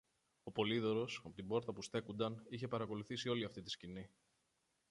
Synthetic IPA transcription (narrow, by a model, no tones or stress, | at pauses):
o̞po̞liðo̞ɾo̞sɐpo̞t̪ibo̞ɾt̪ɐpust̪e̞kund̪ɐniçe̞pɐɾɐko̞luθisio̞liɐft̪it̪i̥scini